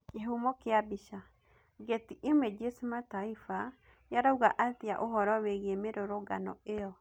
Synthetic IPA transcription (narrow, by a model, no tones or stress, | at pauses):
kɪɦumɔkɪabiʃa | ɡet̪iʔɪmed͡ʒesmat̪aifa | jaɾauɡaʔat̪ɪa̰ʔoɦɔɾɔweɣemeɾoɾoɡa̰nɔ̰eɔ